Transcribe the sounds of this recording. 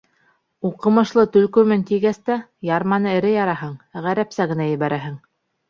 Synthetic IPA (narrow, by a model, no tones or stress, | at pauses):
uqɤ̆mɤ̆ʃlˠɤt̪ɵ̆lkɵ̆mɘnt̪ijɡæst̪æjɑɾmɑnɤɘ̆ɾɘjɑɾɑɦɤɴʁæɾæpsæɣɘ̆næjɘ̆βæɾʔæɦɘŋ